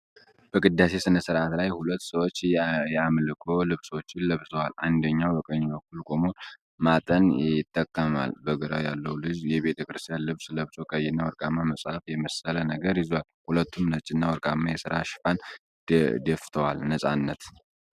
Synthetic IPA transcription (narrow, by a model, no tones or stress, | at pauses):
b̥əɡʼɨd̪ːase̞sɨnəsɨɾʔat̪lajhulət̪ːsəwot͡ʃːjɛamlɨkʼʰolɨβswot͡ʃːɪnləβzəwalʔand̪əɲːawbəkʼəɲːbək̚ʰːulkʼo̞mo̞n | mat̪ʼənɪt̪ʼːəkʼːəma̰lbəɡəɾa̰wja̰lːəwlɨzjɛβe̞t̪ʰəkɨɾɨst̪ʰijanlɨβsləβsʼokʼəjɪnːawɔɾkʼamːaməsʼhafjɛməsələnəɡəɾjɪzowalhulət̪ːumnət͡ʃʼːɪnːawɔɾkʼamːajɛsɨɾaʃɪ̥fan | d̪əft̪ʰəwalnəsʼanːət̪